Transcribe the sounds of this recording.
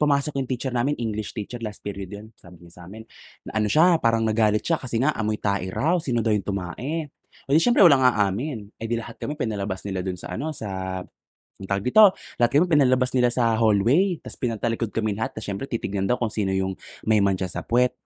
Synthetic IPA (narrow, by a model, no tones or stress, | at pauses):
pʊmaːso̞kjʊŋt̪iːt͡ʃɛɾnaːmɪnʔiŋɡlɪʃt̪it͡ʃɛɹlast̪̚piɾiod̪jonsa̰ːbɪɲasaːmɪnnɐʔɐno̞ʃapaːɾɐŋnɐɡaːlɪt̪̚ʃakɐsɛŋaʔɐ̰mojt̪aːʔɪɾʔawsiːnod̪ɐwjʊŋt̪ʊma̰ːʔɛ | ʔod̪iʃɛmpɾɛwɐlaŋʔaːʔaːmɪnʔɛd̪ilɐhat̪̚kɐmɛpɪnɐlɐbasnɪlad̪ʊnsɐ̰ʔɐ̰no̞sɐ | t̪ɐkɡ̪ɪt̪o̞lɐhat̪̚kɐmɛpɪnɐlɐlɐbasnɪlasɐɦolwɛjt̪ɐspɪnɐt̪ɐlɪkod̪̚kɐmɪlɐɦat̪̚kɐʃɛmpɾɛt̪it̪ɪɡ̚nɐnd̪ɐwkʊŋsiːnojʊŋmɐjmɐnʃasɐpwɛt̪̚